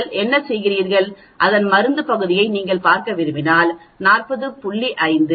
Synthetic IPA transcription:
ɭʔɛnːɐsɛjɣɪriːɾɣɐɭ | ʔɐðɐnmɐɾɯnd̪ɯpɐɣɯðɪjɐɪniːŋɡɐɭpaːɾkɐʋɪɾɯmɪnaːl | naːrpɐðɯpʊɭːiʔɐɪnd̪ɯ

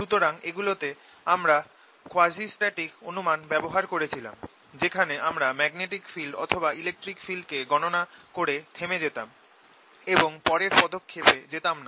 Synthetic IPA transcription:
ʃut̪oɾaŋeɡulot̪e | amɾa | koad͡ʑisʈaʈikonumanbɛboɦaɾkoɾet͡ɕʰila̰m | d͡ʑekʰaneʔamɾamɛɡneʈikfilɖɔ̰t̪ʰobailek̚ʈɾikfilɖkeɡɔnonakoɾet̪ʰemed͡ʑet̪am | eboŋpɔɾeɾpɔd̪okʰːeped͡ʑet̪amna

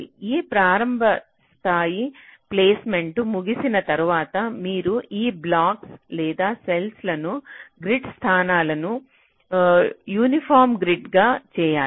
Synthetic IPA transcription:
iːpɾaːɾɐmbʱɐ | st̪ʰaːjipleːsme̞ɳʈumuɡisinɐt̪ɐɾuʋaːt̪ɐmiːɾuʔiːblaːkslɛːd̪aːselslɐnuɡɾiɖst̪ʰaːnaːlɐnu | juːnipʰaːɾmɡɾiɖɡaːt͡ʃɛːjaː

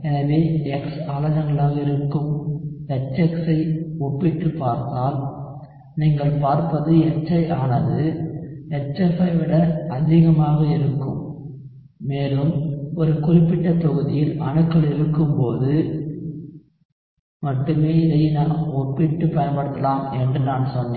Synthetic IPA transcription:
ɛnɐʋeːɛksaːlɐd͡ʒɐŋɡɐɭaːɣɐɪɾɯkːɯmɛt͡ʃːɛksɐɪɔpːɪʈːɯpːaːɾt̪aːl | niːŋɡɐɭpaːɾpɐðɯɛt͡ʃːɐɪʔaːnɐðɯ | ɛt͡ʃːɛfɐɪʋɪɽɐɐðɪɣɐmaːɣɐɪɾɯkːɯ̰mː | eːlɯmɔɾɯkʊrɪpːɪʈːɐt̪ɔɣɯðɪjɪlʔɐ̰ɳɯkːɐɭɪɾɯkːɯmpoːðɯ | mɐʈːɯmeːɪðɐjnaːnɔpːɪʈːɯpɐjɐnpɐɽɯt̪ːɐlaːmɛndrɯnaːnsɔnːeː

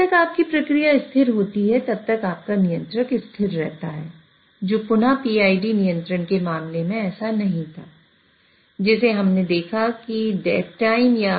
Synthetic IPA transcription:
t̪ɐkaːp̚kipɾɐkɾijaɪst̪ʰɪɾɦoːt̪iɦɛt̪ɐb̚t̪ɐkaːp̚kanijə̃nt̪ɾəkɪst̪ʰɪɾːɛ̰ɦt̪aɦɛː | d͡ʒoːpʊnapiaːiɖinijə̃nt̪ɾənkemaːmlemẽɛːsanɐɦĩt̪ʰaː | d͡ʒɛːseɦɐmned̪eːkʰakiɖɛːtʈaːɪmja

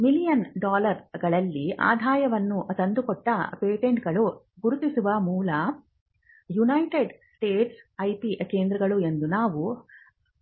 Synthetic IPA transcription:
milijɐnɖaːlɐɾɡɐɭɐlːiʔa̰ːd̪ʱaːjɐʋɐnːut̪ɐnd̪ukɔʈːɐpeːʈeɳʈɡɐɭu | ɡuɾut̪isuʋɐmuːlɐ | junɐjʈeɖsʈeːʈsɐjpikeːnd̪ɾɐɡɐɭue̞nd̪unaːʋu

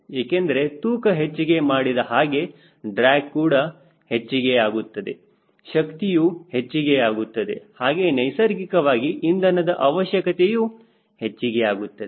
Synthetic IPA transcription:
eːkend̪ɐɾe̞t̪uːkɐɦet͡ʃːiɡe̞maːɽid̪ɐɦaːɡe̞ | ɖɾaːkkuːɽɐ | het͡ʃːiɡeaːɡut̪ːɐd̪e̞ | ʃɐkt̪ijuhe̞t͡ʃːiɡeaːɡut̪ːɐd̪e̞̰haːɡe̞nɐjsɐɾɡikɐʋaːɡiʔind̪ɐnɐd̪ɐʔɐʋɐʃjɐkɐt̪e̞juː | he̞t͡ʃːiɡeaːɡut̪ːɐd̪e

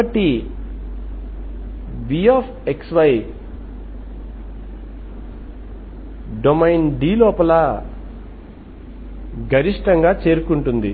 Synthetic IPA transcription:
ɐʈːi | biːaːpʰeksʋɐj | ɖomɐjnɖiːlɔːpɐlɐ | ɡʱɐɾiʂʈɐŋɡaːt͡ʃe̞ːɾukuɳʈund̪i

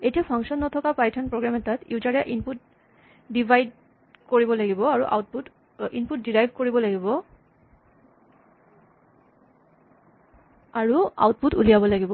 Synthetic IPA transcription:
ejtiapʰɔŋʃɔnːɔtʰɔkapajtʰɔnpɹɔɡɹamɛtatjuzaɹɛʔinput̚ | dibʱajd | koɹibɔlaɡibɔaɹuʔa̰wtput | input̚diɹajvʱkoɹibɔlaɡibɔ | aɹua̰wt̚putulijabɔlaɡibɔ

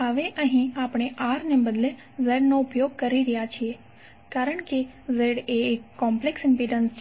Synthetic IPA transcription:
ɦəʋeʔəɦĩapɳ̃eʔaɾnebəd̪le | zeɖnoʊpjoɡ̚kəɾiɾijat͡ʃʰie | kaɾəɳke | zeɽeːkːɔmpleksɪ̃mpiɖənst͡ʃʰ

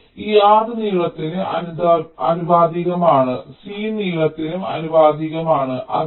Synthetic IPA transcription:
iːaːðɨniːɻɐt̪ːinuɐ̰nud̪aɐ̰nubaːd̪iɣɐmaːɳɨsiːniːɭɐt̪ːinumɐ̰nubaːd̪iɣɐmaːɳɨʔɐ̰

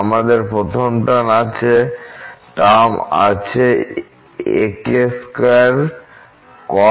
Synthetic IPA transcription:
amad̪eɾpɾot̪ʰompʈanat͡ɕʰe | ʈama̰t͡ɕʰe | ḛkeskaɾ | kɔ

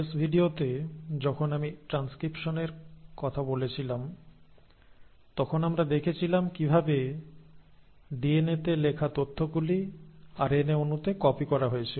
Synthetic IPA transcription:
esbʱiɖiot̪ed͡ʑɔkʰonamiʈɾanskɾipʃoneɾkɔt̪ʰabolet͡ɕʰilam | t̪ɔkʰonamɾad̪ekʰet͡ɕʰilamkibʱabe | ɖienet̪elekʰat̪ot̪ʰːoɡuliaɾeneonut̪ekɔpikɔɾaɦojet͡ɕʰilo

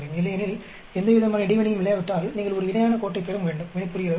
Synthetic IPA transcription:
ɽɐjɯmɪlːɐjɐnɪl | ɛnd̪ɐʋɪðɐmaːnɐɪɽɐʋɐnɪjɯmɪlːɐjaʋɪʈːaːlniːŋɡɐɭɔɾɯɪnɐjaːnɐkoːʈːɐɪpːeɾɯmʋeːɳɖɯmʋɪɳɐɪpːɯɾɪɣɪɾɐ

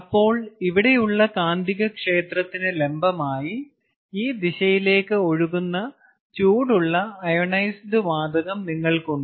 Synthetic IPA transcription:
ɐpːo̞ːɭiʋiɽe̞juɭːɐkaːnd̪iɣɐkʂe̞ːt̪rɐt̪ːinɨle̞mbɐmaːji | iːd̪iɕɐjile̞ːkːɨo̞ɻuɣunːɐ | t͡ɕuːɽuɭːɐɐjɐɳɐjsɖɨʋaːd̪ɐɣɐmniŋːɐɭkoɳɖɨ

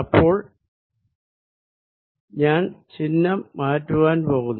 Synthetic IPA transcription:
ɐpːo̞ːɭ | ɲaːnt͡ɕinːɐmːaːtːuʋaːnpo̞ːɣunː

